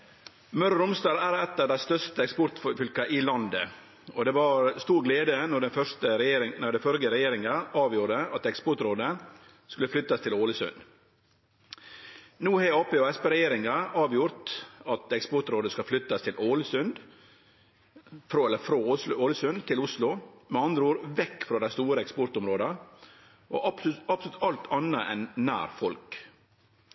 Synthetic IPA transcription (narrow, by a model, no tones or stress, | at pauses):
mœɾəɾʊmst̪ɑːlæːɾɛt̪ːɑʋd̪æɪst̪œʂt̪əɛkspɔɾt̪ffʏlkɑʔɪlɑnd̪ə | ɔd̪ɛːʋɑːɾst̪uːɾɡleːd̪ənɔɖɛnfœʂt̪əɾɛjeːɾɪnɔɖ̪ɛfœɾɡəɾɛjeːɾɪŋɑɑːʋjuːɖəɑt̪ɛkspʊʈ̪ɾoːd̪ə | skʉlːəflʏt̪ːɑst̪ʰɪloːləsʉ̰nd̪ | nuːheɑːpeːoːɛspeɾɛjeːɾɪŋɑɑːʋjʊɾt̪ɑt̪ɛkspɔt̪ɾoːd̪əskɑflʏt̪ːɑst̪ʰɪlʔoːləsʉnd̪ | fɾoːɛlːəfɾoːʊslʊoːləsʉnt̪ʰɪlʊslʊmɛɑnd̪ɾuːɾʋɛkːfɾoːd̪æɪst̪uːɾəɛkspɔɾt̪ʊmɾoːd̪ɑ | ʔo̰ɑpsɔlʉt̪ɑlt̪ʰɑnːəʔɛ̰nːæ̰ːɾfɔlk